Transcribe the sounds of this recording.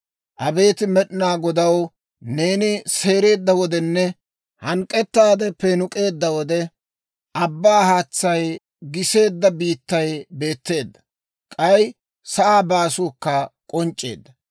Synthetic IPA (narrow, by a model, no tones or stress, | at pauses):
ʔɐbe̞ːt̪ɪmɛɗɪnaːɡɔd̪ɐw | ne̞ːnɪse̞ːɾe̞ːd̪ːɐwɔd̪ɛnːɛ | hɐŋkʼːɛt̪ːaːd̪ɛpɛnʊkʼe̞ːd̪ːɐwɔd̪ɛ | ʔɐbːaːhaːt͡sːɐj | ɡɪse̞ːd̪ːɐbiːt̪ːɐjbe̞ːt̪ːe̞ːd̪ːɐ̥ | kʼɐj | sɐʔaːbaːsʊːkːɐkʼɔnt͡ʃʼːe̞̰ːd̪ːɐ